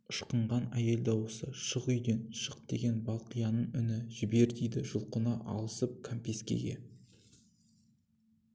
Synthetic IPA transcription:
əʃqəɴʁɑnæje̞ld̪ɑwəsəʃəʁʏjd̪enʃəq̚d̪e̞ɡʲe̞nbɑlˠqijɑnəɴʏnɪʒɪbe̞ɾd̪ejd̪ɪʒʊlˠqənɑʔɑ̰lˠəsəp̚kʰampʲe̞skʲe̞̰ɡʲe̞̰

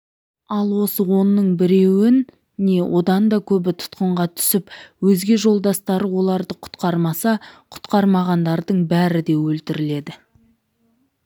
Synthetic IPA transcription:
ɑlˠwo̞səwo̞nːəɴbɪɾe̞wɪnː | e̞wʔo̞d̪ɑnd̪ɑkʲʰɵbɪt̪ʰʊ̥t̪qəɴʁɑt̪ʰʏ̥sɪpwɵzɡʲe̞ʒo̞lˠd̪ɑst̪ɑɾəwo̞lˠɑɾd̪əqʰʊ̥t̪qɑɾmɑsɑqʰʊ̥t̪qɑɾmɑʁɑnd̪ɑɾd̪əɴbæɾɪd̪e̞wɵlt̪ɪɾɪle̞d̪ɪ

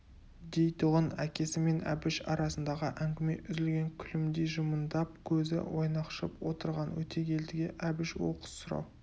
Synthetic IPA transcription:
d̪ejt̪ʊʁənækʲe̞sɪme̞næ̰bɪʃɑ̰ɾɑsənd̪ɑʁəʔæŋɡʲɪme̞̰ʔʏzɪlɡʲe̞ŋkʲʰʏlɪmd̪eʒəmənd̪ɑp̚kʲʰɵzɪ̰wʔo̞jnɑqʃəpwo̞t̪əɾʁɑnwɵ̰t̪e̞kʲʰe̞ld̪ɪɡʲe̞ʔæbɪʃwo̞̰qə̥ssʊɾɑ̰w

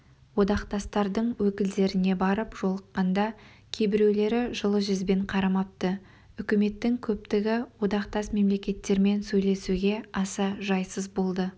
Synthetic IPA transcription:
wo̞d̪ɑqt̪ɑst̪ɑɾd̪əɴwɵkʲɪld̪e̞ɾɪne̞bɑɾəpʒ̥o̞lˠəqːɑnd̪ɑ | kʲʰe̞bɪɾe̞wle̞ɾɪʒəlˠəʒʏzbe̞ɴqʰɑɾɑmɑp̚t̪ə | ʏkʲɪme̞t̪ːɪŋkʲʰɵp̚t̪ɪɡʲɪwo̞d̪ɑqt̪ɑsme̞mle̞kʲe̞t̪ːe̞ɾme̞nsɵjle̞suɡʲe̞ɑsɑʒɑjsəzbo̞lˠd̪ə

